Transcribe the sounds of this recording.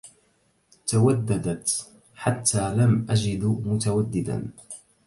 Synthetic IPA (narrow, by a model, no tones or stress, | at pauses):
t̪awad̪ːad̪at̪ | ħat̪ʰːaːlamʔad͡ʒɪd̪mʊt̪awad̪ːɪd̪a̰n